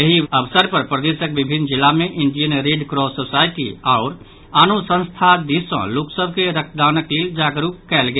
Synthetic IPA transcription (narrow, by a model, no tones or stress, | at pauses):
jəɦiəbsəɾpəɾpɾəd̪esəkbibʱinːd͡ʒilːamẽʔɪɳɖijənɾeɖkɾɔsosaɪʈḭaʊɾ | aːnosə̃nst̪ʰad̪isə̰̃loːksəbʱkeɾək̚ʰd̪aːnəkleːld͡ʒaːɡɾupkɛlɡe